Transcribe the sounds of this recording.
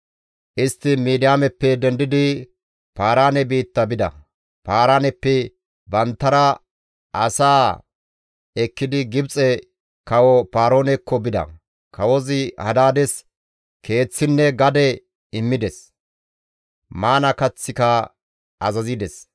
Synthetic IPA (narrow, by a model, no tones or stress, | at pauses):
ʔɪst̪ːɪmiːd̪ɪjaːmɛpːɛd̪ɛnd̪ɪd̪ɪ | paːɾaːnɛbiːt̪ːɐbɪd̪ɐ̰ | paːɾaːnɛpːɛ | bɐnt̪ːɐɾɐ | ɐsaː | ɛkːɪd̪ɪɡɪbt͡sʼɛ | kɐwɔpaːɾoːnɛkːɔbɪd̪ɐ̰ | kʰɐwɔzɪhɐd̪aːd̪ɛs | kʰe̞ːt͡sːɪnːɛɡɐd̪ɛ | ɪmːɪd̪ɛs | maːnɐkɐt͡sːɪkɐ | ɐzɐzid̪ɛs